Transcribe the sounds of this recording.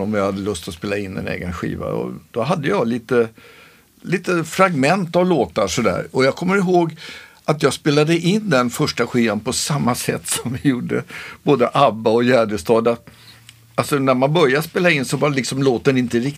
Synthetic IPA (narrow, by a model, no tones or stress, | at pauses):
ɔmjahad̪ːəlɵst̪ɔspeːlaɪnːɛ̰nḛːɡənɧḭːva̰ɔ̰d̪̥ɔɦad̪ːəjɑliːt̪ə | liːt̪əfɾaɡmɛnt̪avloːt̪aʂɔd̪æ̰ːɾɔjɑːkʰɔmːəɾɪɦoːɡ | at̪jɑːɡspeːlad̪əʔɪnd̪ɛnfœʂʈaɧiːvanpʰɔsamːasɛ̰t̪ːsɔmvɪjuːɖəb̥oːd̪əʔabːaɔjæːɖ̪əst̪ʰɑːd̪a | alsɔnæɾmanbœɾjaspeːlaɪnːsɔblɪksɔmloːt̪ɛnɪnt̪əɾɪk